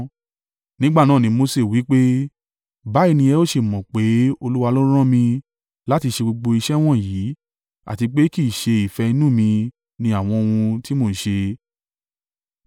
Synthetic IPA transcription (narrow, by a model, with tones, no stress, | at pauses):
nĩ˦ɡ͡ba˦˨nãː˦˨nĩ˨˧˦mo˧se˦˨wi˨˦k͡pe˦ | ba˨˦i˦˧nĩ˧ɛ˧o˦ʃe˧˨mɔ̃˨k͡pe˨˦o˧lu˦wa˧lo˦ɾ̃ã˦mĩ˧ | la˦ti˧ʃe˧ɡ͡bo˧ɡ͡bo˧i˧ʃɛ˦w̃ɔ̃˦˨jiː˨˦ | a̰˨ti˧k͡pe˦ki˦˨ʃe˧i˨fɛ˧i˧nũ˦˨mĩ˧ | nĩ˧a˦˨w̃ɔ̃˧o˧wũ˧ti˦mo˦˨ʃe˧